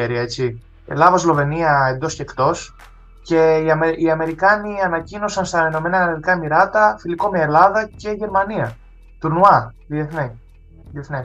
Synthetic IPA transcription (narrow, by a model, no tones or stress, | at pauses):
eɾiet͡si | ḛlɐvɐzlo̞ve̞niɐe̞nd̪o̞scekt̪o̞s | ce̞iɐmiɐme̞ɾikɐniɐnɐcino̞sɐnst̪ɐeno̞me̞nɐɐliðikɐmiɾɐt̪ɐfiliko̞meelɐðɐce̞ʝe̞ɾmɐniɐ | t̪uɾnuɐ | ðieθne | ðieθne